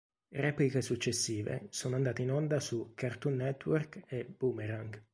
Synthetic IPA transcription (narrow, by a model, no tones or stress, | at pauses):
rɛːplikesut͡ʃːesːiːvḛsoːnoand̪aːt̪einɔnd̪asukːart̪unːɛt̪ːwɔrkebumeɾaŋɡ